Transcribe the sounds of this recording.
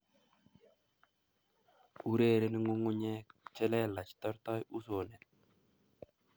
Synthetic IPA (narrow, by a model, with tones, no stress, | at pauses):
u˦ɾe˦˨ɾe˦nɪ˦ŋʊ˦ŋʊ˦ɲe˦t͡ʃɛ˦lɛ˦la˨t͡ʃt̪ɔ˦ɾt̪ɔ˦ju˦so˨nɛ˨